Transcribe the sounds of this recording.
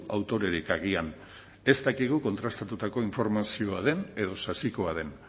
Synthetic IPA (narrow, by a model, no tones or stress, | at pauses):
awt̪o̞ɾe̞ɾikaɣ̞ian | e̞st̪akiɣ̞uko̞nt̪ɾast̪at̪ut̪ako̞iɱfo̞ɾmasio̞að̞e̞ne̞ðo̞sasiko̞aðe̞n